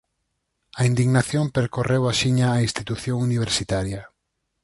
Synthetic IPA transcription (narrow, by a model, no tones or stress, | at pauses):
aind̪iɣnaθjompeɾkorewaʃiɲaːinst̪it̪uθjõŋuniβ̞eɾsit̪aɾja